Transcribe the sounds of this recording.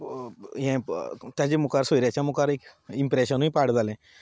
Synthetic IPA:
ɦɛ̃t̪jat͡ɕemukaɾsoɾjat͡ɕjamukaɾekimpɾeɕənuĩpaɽd͡zʱalɛ̃

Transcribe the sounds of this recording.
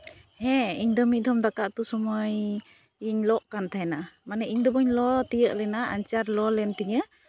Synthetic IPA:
hɛiɲd̪ɔmid̪ɔmd̪akaʔt̪usɔmɔj | iɲlɔʔkant̪aɦɛnamanəʔiɲd̪ɔbɔɲlɔt̪ijəʔlɛnaaɲt͡ʃarlɔlɛnt̪iɲə

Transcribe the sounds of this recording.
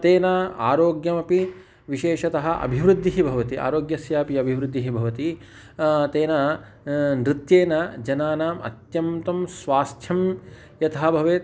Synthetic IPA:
t̪eːnɐa̰ːɾoːɡjɐmɐpi | ʋiʃeːʃɐt̪ɐɦɐ̆ʔɐ̰bʱiʋɾud̪ʱːiɦibʱɐʋɐt̪iʔa̰ːɾoːɡjɐsjaːpiɐbʱiʋɾud̪ʱːiɦibʱɐʋɐt̪i | t̪eːnɐ | nɾɪt̪jeːnɐd͡ʒɐnaːnaːmɐ̰t̪jɐmt̪ɐmsʋaːst̪ʰjɐm | jɐt̪ʰɐɦɐbʱɐʋeː

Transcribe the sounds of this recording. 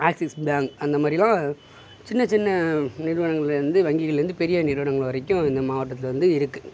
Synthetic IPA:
aːksɪsbaːŋɡɐnd̪ɐmaːd̪ɾɪlãː | t͡ʃɪnːɐt͡ʃɪnːɐnɪɾɯʋɐɳɐŋɡɐɭɾɯnd̪ɯʋɐŋɡɪɣɐɭɾɯnd̪ɯpɛɾɪjɐnɪɾɯʋɐɳɐŋɡɐɭʋɐɾɛkːʊ̃ɪnd̪ɐmaːʋɐʈːɐt̪ːɪlʋɐnd̪ɯɪɾɯkːɯ

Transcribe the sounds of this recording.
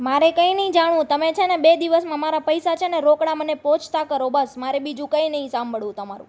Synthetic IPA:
maɾekəinəɦĩd͡ʒaɽũt̪əmet͡ʃʰenebed̪iʋəsmãmaɾapəjsat͡ʃʰeneɾokɽamənepot͡ʃʰt̪akəɾobəsmaɾebid͡ʒũkəinəɦĩsambʱəɭũt̪əmaɾũ

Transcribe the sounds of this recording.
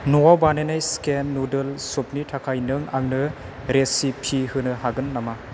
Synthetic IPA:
nuwawbanenajskenːudɯlsup̚nitʰakʰajnɯŋaŋnɯ | ɾesipʰihɯnɯhaɡɯnːama

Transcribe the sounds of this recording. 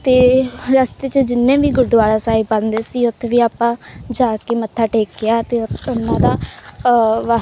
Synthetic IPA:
t̪eːɾəst̪eːt͡ʃəd͡ʒɪnːẽːʋiːɡʊɾd̪ʋaːɾaːsaːiːbalnd̪eːsiːʊt̪ʰːʋiːaːpːãːd͡ʒaːkeːmət̪ʰːaːʈeːkɡɪaːt̪eːʊnːãːd̪aː | ʋa

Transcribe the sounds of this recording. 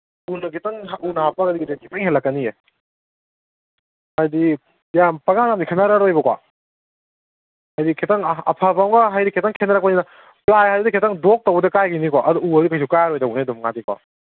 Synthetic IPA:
unɐkʰetaŋɦaunɐɦapaɡɐdiɡidekipaŋɦelːɐkːɐnije | hajdi | jampaɡanamikʰenaɾaɾojbɐkwa̰ | hajdikʰetaŋɐ̰pʰapamɡaɦajɾikʰetaŋkʰenaɾak̚panina | plajhajɾidekʰetaŋdok̚towbɐdɐkajɡinikwaʔɐduuɐdukajs̬ukajaɾɔjdawnadɔmŋatikwa̰

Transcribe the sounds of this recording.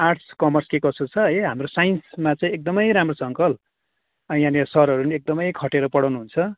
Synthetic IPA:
arʈskʌmʌrskekʌsot͡sʰʌʌjɦamrosajnsmat͡sʌĩek̚d̪ʌmʌjɾamrosʌŋkʌl | ʌjanʌsʌɾʌɾuniek̚d̪ʌmʌjkʰʌʈeɾʌpʌɽawnuɦunt͡sʰʌ

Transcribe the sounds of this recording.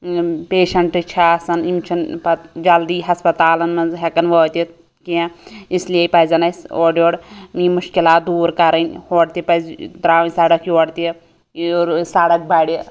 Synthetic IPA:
peːʃɐɳʈɨt͡ʃʰasɐnimt͡ʃʰinpɐt̪d͡ʒɐld̪iːɦɐspɐt̪aːlɐnmɐnzɦekɐnʋoːt̪i | kiãisliepɐzɐnɐsoːɖjoːɽmĩːmʊʃkilaːt̪̚d̪uːɾkɐɾɐnʲhoːɽt̪ipɐzd̪ɾaːʋĩnʲsɐɽɐkʰjoːɽt̪i | ɾsaɽɐk̚bʱaɽi

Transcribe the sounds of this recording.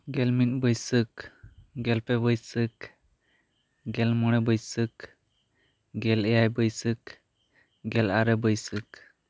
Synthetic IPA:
ɡɛlminbəjsɨk̚ɡɛlpɛbəjsɨk | ɡɛlmɔɽ̃ɛbəjsɨk | ɡɛlɛjajbəjsɨk̚ | ɡɛlaɾɛbəjsɨk̚

